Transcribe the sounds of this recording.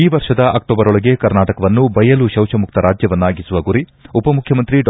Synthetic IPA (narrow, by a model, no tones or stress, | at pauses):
iːʋɐɾʃɐd̪ɐʔɐk̚ʈoːbɐɾɔɭɐɡe̞kɐɾnaːʈɐkɐʋɐnːubɐjɐluʃɐwʃɐmuk̚t̪ɐɾʔaːd͡ʒjɐʋɐnːaːɡisuʋɐɡuɾiupɐmukʰjɐmɐnt̪ɾi